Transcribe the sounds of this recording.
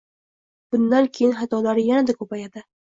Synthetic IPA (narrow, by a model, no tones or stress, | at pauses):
b̥ʊnd̪ankʲʰejɪnχat̪ʰɒlaɾɪjanad̪akʰɵpajad̪ɪ